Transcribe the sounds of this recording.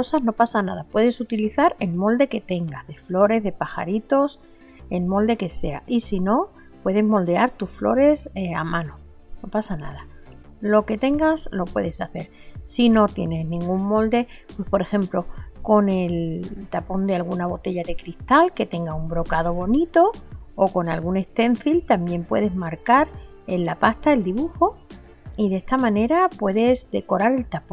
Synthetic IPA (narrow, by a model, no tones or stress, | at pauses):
osazno̞pasanað̞apwe̞ðesut̪iliθaɾe̞lmo̞ld̪e̞ke̞t̪e̞ŋɡazðe̞flo̞ɾe̞zðe̞paxa̰ɾit̪o̞s | e̞lmo̞ld̪e̞ke̞se̞a̰ʔisino̞ | pwe̞ðe̞zmo̞ld̪e̞aɾt̪usflo̞̰ɾe̞seamãno | no̞pasana̰ð̞a | lo̞ke̞t̪e̞ŋɡaslo̞pwe̞̰ðe̞saθe̞ɾ | sino̞t̪je̞ne̞znĩŋɡumːo̞ld̪e̞pwe̞spo̞ɾe̞xe̞mplo̞ko̞ne̞lt̪apo̞nd̪e̞alɣunaβ̞o̞t̪e̞ʎaðe̞kɾist̪alke̞t̪e̞ŋɡaumbɾo̞kaðo̞β̞o̞nit̪o̞oko̞nalɣune̞st̪e̞n̟θilt̪ambje̞mpwe̞ð̞e̞zmaɾkaɾ | e̞nlapast̪ae̞ld̪iβuxo̞ | iðest̪amãne̞ɾapwe̞ðe̞zd̪e̞ko̞ɾaɾe̞lt̪apõ